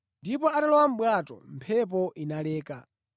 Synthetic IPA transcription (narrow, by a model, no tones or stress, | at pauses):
ndipɔatalɔwam̩ɓwatɔ̰m̩pʰɛp̬ɔʔinalɛːka